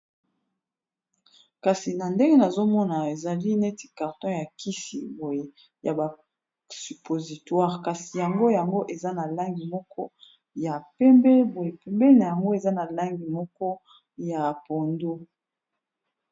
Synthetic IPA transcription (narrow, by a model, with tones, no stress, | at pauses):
ka˨si˨na˨nde˦ŋɡe˦na˨zo˦mɔ˦na˨e˨za˨li˦nɛ˦ti̥˨ka˨ʁtɔ̃˦ja˨ki˦sḭ˨bo˨je˦ | ja˨ba˨ | sy˨po˨zi˨twa˦ʁka˨si˨ja˨ŋɡo˦ja˨ŋɡo˦ʔe˨za˦na˨la˦ŋɡi˨mɔ˦kɔ˦ | ja˨pɛ˦mbɛ˦bo˨je˨pɛ˨mbɛ˦na˨ja˨ŋɡo˦e˨za˦na˨la˦ŋɡi˨mɔ˦kɔ˦ | ja˨po˨ndo˦